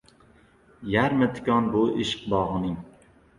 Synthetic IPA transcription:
jaɾmɪt̪ʰɪ̥kʲɒnbʊʔɪʃqbɒʁɨnɪŋ

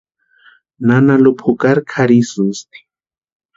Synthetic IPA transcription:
nanalupʰukaɾkʰaɾisunst̪i̥

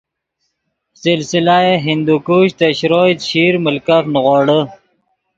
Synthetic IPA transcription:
sɪlsɪlajeɦɪnd̪ukuɕt̪eɕɾoːt̪ɕiːɾməlkafnɣoːɽə

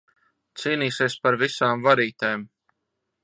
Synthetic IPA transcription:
t̪siːniːsiɛspaɾvisaːmvaɾiːt̪ejm

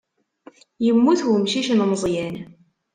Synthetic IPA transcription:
jəmːuθwəmʃiʃnməzˤjæn

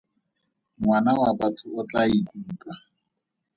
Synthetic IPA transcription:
ŋwanawabatʰʊʊt͡ɬaikuːkʼa

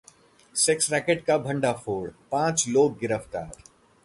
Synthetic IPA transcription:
sɪksɾɛːkeʈ̚kabʱɐ̃ɳɖafoːɽpãːt͡ʃloːɡ̚ɡɪɾəft̪aːɾ

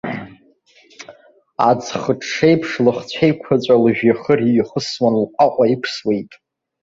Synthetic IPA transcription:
a̰d͡zχəʈ͡ʂʰːe̞jpʰʂlɨχt͡ɕʷʰejkʷʰat͡ɕʷʼalʒᶣaχəriχəswanlqʷʼaqʷʼaipʷʰswe̞jtʼ

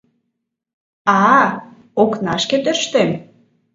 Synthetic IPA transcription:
ɑ | oknɑʃket̪øʃt̪em

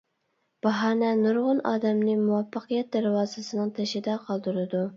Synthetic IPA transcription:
b̥ɑɦɑːnɛnuɾʁʊnʔɑ̰ːd̪ɛmnɪmuwɑfːɑqijɛt̪̚d̪æɾwɑːzɨsɨnɨŋt̪ʰeʃɪd̪ɛqʰɑlˠd̪uɾɨd̪u

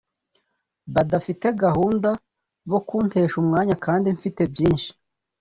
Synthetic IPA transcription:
βadafite̞ɡahuːnda | βo̞kuːnte̞ːʃumŋaːɲakaːndiɱfite̞bjiːnʃi̥

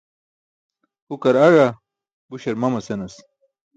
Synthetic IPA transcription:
hukɐɾɐɻa | buɕɐɾmɐmɐsenɐs

